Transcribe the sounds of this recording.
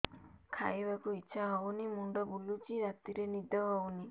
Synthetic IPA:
kʰa̰jbakuitːʃʰaaunimuɳɖɔbulut͡ʃiɾat̪iɾenid̪ʱaawni

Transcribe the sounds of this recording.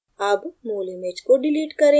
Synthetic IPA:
aːbmoːlimeːd͡ʒkoɖɪliːʈkɐɾẽ

